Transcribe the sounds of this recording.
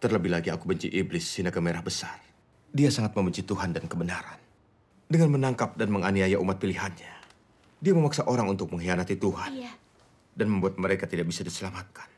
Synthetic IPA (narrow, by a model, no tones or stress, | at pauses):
t̪ərləbɪɦlaɡiakubəɲt͡ʃḭʔiblɪsːinakəmeɾahbəsar | diasaŋat̪̚məmbəɲt͡ʃit̪uɦandankəbənaɾan | dəŋanmənaŋkap̚danməŋaniajaʔumat̪̚piliɦanɲa | diaməmaksaʔoɾaŋunt̪ʊk̚məŋɦianat̪it̪uɦan | danməmbuat̪̚məɾekat̪idaʔ̚bisadisəlamat̪̚kḁn